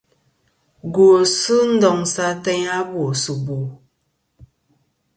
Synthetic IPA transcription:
ɡo˨sɨ˦n̩˦dɔ˨ŋsa˦tɛ˦ɲa˦bo˨su˨bo˨

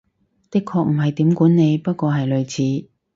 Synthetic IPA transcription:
t̪ɪ˥kʰɔː˧k̚m̩˨˩ɦɐ˨jt̪iː˨˥mkuː˨˥nne˨˧jpɐ˥t̚kʷɔː˧ɦɐ˨jlɵ˨˧ɥt͡sʰiː˨˥

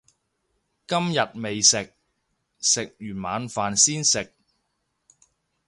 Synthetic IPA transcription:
kɐ˥mjɐ˨t̚me˨jsɪ˨k̚ | sɪ˨k̚jyː˨˩nma̰ː˨˧nfaː˨nsiː˥nsɪ˨k̚

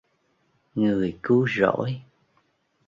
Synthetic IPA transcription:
ŋɨ˨˩əjkɨ˨˦zo̰˧˥j

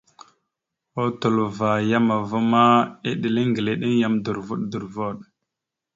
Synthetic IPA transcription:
o˦tu˨lva˨ja˦ma˨va˦ma˦e˦ɗi˨le˦ŋɡə˨le˨ɗe˦ŋja˦mdu˨ɾvu˦ɗdu˨ɾvo˦˨ɗ̚

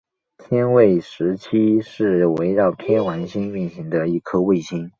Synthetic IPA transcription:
t̪ʰjɛ˥nwe˥˩ɪʂɻ̩˧˥t͡ɕʰi˥ʂɻ̩˥˩we˧˥ɪɻɑ˥˩ʊt̪ʰjɛ˥nwa˧˥nɕi˥ny˥˩nɕi˧˥ŋd̪ə˧i˥˩kʰɤ˥we˥˩ɪɕi˥n

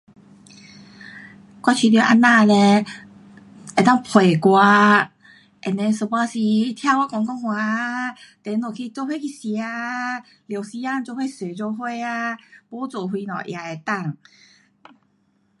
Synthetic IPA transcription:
kwa˧t͡ɕʰi˧˩t̪jʔa˧nã˥˧˨le˧ | ʔɛ˨˩t̪a˥˩ŋpʰwe˨˩kwa˧ | ʔɛ˨˩nɛ˧sə˧˩pa˧si˧t̪ʰja˥˧˨ka˧˦kɔ˧˦ŋkɔ˥˧˨ŋhwa˧˦˧ | t̪ɛ˨˧˦no˨˩kʰi˧t͡ɕjo˧he˥˧˨kʰi˧˩si˧a˧ | lje˨˧˦wsi˧˦a˥˨ŋt͡ɕjo˧he˥˨se˨˩t͡ɕo˧ɦwe˥˧a˧pɔ˧˦t͡so˨˩ɦwi˧nɔ̰˨˩ʔja˧e˨˧t̪a˥˧˩ŋ

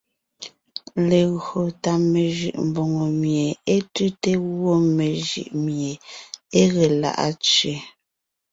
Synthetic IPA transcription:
le˨ɣo˨ta˨me˨ʒʉ̰˨ʔm̩˨bo˨ŋo˨mje˨e˦tʉ˦te˦ɣwo˦me˨ʒɯ̰˨ʔmje˨e˦ɣe˨la̰˦˨ʔa̰˦t͡sɥe˨

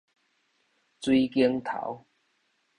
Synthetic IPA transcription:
t͡swi˦kji˦ŋt̪ʰa̰˨˦w

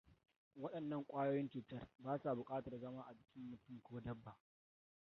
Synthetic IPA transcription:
wɐ˦ɗɐ˨nːɐ˦˨ŋkʷʼaː˦joː˦jɪ˦nt͡ʃuː˨tɐ˦rbaː˦sa˨bʊ˨kʼaː˦tɐ˨rzɐ˦maː˦ʔa˨d͡ʒɪ˨kʲɪ˦mːʊ˨tʊ˦mkʷoː˦dɐ˦bːa˨ʔ

